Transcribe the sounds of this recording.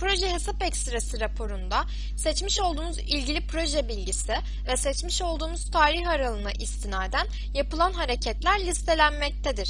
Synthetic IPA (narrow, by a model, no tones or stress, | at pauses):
pɾo̞ʒɛɦesapɛcst̪ɾasiɾapʰo̞ɾund̪a | sɛt͡ʃmiʃo̞lˠd̪uːmuzilʲɟilʲipʰɾo̞ʒɛbilʲɟisɪ | vɛsɛt͡ʃmiʃo̞lˠd̪uːmuz̥t̪ʰaːɾiçaɾalˠɯna̰ʔist̪ʰinaːd̪æn | japɯlˠanɦaɾecʰɛt̪lʲæɾlʲist̪ʰe̞lʲænmɛc̚t̪ʰɛd̪iɾ̥